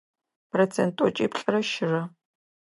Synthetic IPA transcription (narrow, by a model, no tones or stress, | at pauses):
pʰrot͡sʰentʼɔt͡ʃʼḭːpɬʼɐrɐʃɪrɐ